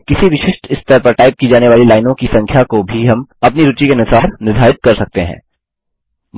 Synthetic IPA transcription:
kɪsiʋɪʃɪʃʈɪst̪əɾpɐɾʈaːɪp̚kid͡ʒaːneʋaːlilaːɪnõkisɐ̃ŋkʰjakobʱiɦɐmɐpniɾʊt͡ʃikenɪsaːɾnɪd̪ʱaːɪt̪̚kɐɾsɐk̚t̪eɦɛ̰̃ː

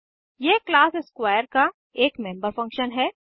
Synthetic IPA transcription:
jeːklaːsɪskwaːjəɾka | eːkmẽːmbəɾfɐ̃ŋkʃənɦɛː

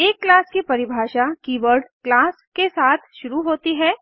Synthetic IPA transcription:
eːkːlaːskipɐɾɪbʱaːʃakiːʋəɾɖklaːskesaːt̪ʰʃʊɾuɦoːt̪iɦɛː

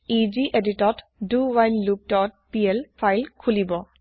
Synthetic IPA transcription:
id͡ʒiʔeditɔt | duwajnluk̚tɔt̚pielpʰajlkʰulibɔ

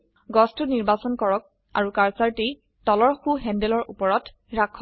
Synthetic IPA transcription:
ɡɔstʰuniɹbasɔnkɔɹɔk̚ | a̰ɹukaɹsaɹtej | tɔlɔɹxuɦɛndɛlɔɹupɔɹɔt | ɹakʰːɔ

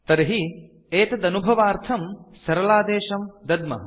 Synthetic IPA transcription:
t̪ɐɾɦi | eːt̪ɐd̪ɐnubʱɐʋaːɾt̪ʰɐmsɐɾɐlaːd̪eːʃɐmd̪ɐd̪mɐ̰

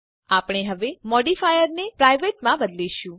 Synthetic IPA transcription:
apɳ̃eɦəʋemɔɖifajəɾnepɾajʋeʈmãbəd̪liʃũ

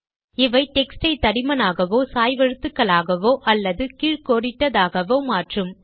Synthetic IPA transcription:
ɪʋɐɪʈɛksʈɐɪt̪ɐɽɪmɐnaːɣɐʋoːsaːjʋɐɻɯt̪ːɯkːɐɭaːɣɐʋoːʔɐlːɐðɯkɪɻkoːɽɪʈːɐðaːɣɐʋoːmaːʈrɯm

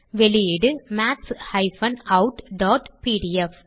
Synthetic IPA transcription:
ʋɛlɪjiɽɯmaːʈshɐɪfɐnɐʊʈɖaːʈpiːɽiɛf

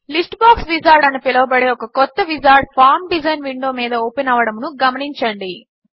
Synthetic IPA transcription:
lisʈbaːksʋid͡ʒaːɾɖɐnɐpilɐʋɐbɐɽeːɔkɐkɔt̪ːɐʋid͡ʒaːɾɖ̚pʰaːɾmɖid͡ʒɐjnʋiɳɖo̞ːmiːd̪ɐoːpenaːʋɐɽɐmnuɡɐmɐniɲt͡ʃɐɳɖi

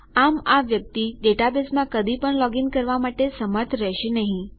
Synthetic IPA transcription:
amaʋjək̚t̪iɖeʈabesmãkəd̪ʱipəɳlɔɡiŋkəɾʋamaʈesəməɾt̪ʰɾəɕinaɦĩ

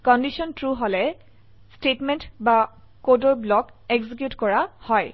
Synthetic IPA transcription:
kɔndisɔntɹuɦolɛ | stetmɛntba | kodoɹblɔk | ɛɡzik̬jutkɔɹahɔj

